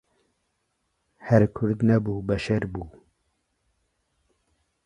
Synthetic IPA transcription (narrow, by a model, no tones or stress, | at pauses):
hɛɾkʰʊɾd̪nɛbuːbɛʃɛɾbuː